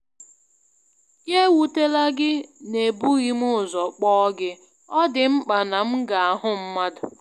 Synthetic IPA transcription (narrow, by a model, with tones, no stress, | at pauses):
je˦wu˨te˦la˦ɡɪ˦ne˨bu˦ɣi˦mʊ˦˨zɔ˨k͡pɔ˦ɡɪ˦ | ɔ˦dɪ˨m̩˦k͡pa˨na˨m̩˦ɡa˨a˨ɦʊ˦m̩˦ma˦dʊ˨